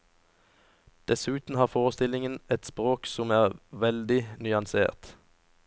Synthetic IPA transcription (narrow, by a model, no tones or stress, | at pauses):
d̪̥ɛsʉːt̪n̩hɑːʁfoːʁəst̪ɪlɪŋənɛt̪spʁoːksɔmæːʁʋɛld̪ɪnʏɑnsḛːʁt̪